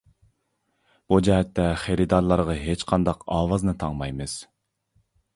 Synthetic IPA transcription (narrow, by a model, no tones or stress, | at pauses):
b̥ud͡ʒɛɦɛt̪ːɛχeɾid̪ɑɾlˠɑɾʁɑɦet͡ʃqʰɑnd̪ɑqɑːwɑznɨt̪ʰɑŋmɑjmɨz̥